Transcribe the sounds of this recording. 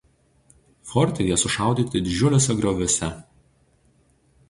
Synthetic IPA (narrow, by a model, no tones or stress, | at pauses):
fɔɾʲt̪ʲejɛsʊʃɑˑʊd̪ʲiːt̪ʲɪd̪ʲɪd͡ʒʲʊlʲoːsʲɛɡɾoːʋʲosʲɛ